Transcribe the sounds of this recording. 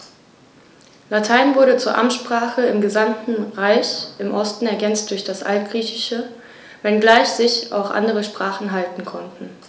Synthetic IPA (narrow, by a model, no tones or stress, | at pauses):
latʰaɪnvʊɐɾət͡suːɐʔamtʃpʁ̥aːχəɪmɡəzamtn̩ʁaɪçʔɪmʔɔstn̩ɛɐɡɛnt͡st̚d̥ʊɐçd̥asʔa̰lt̚ɡ̥ʁiːçɪʃə | vɛnɡlaɪçz̥ɪça̰ʊxʔa̰ndəʁəʃpʁ̥aːχn̩ɦaltn̩kʰɔntn̩